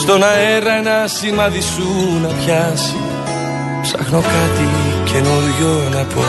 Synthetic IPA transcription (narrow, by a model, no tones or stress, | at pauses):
st̪o̞nɐe̞ɾɐenɐsimɐðisunɐpçɐsi | psɐxnokɐt̪icenoðʝonɐpʰo̰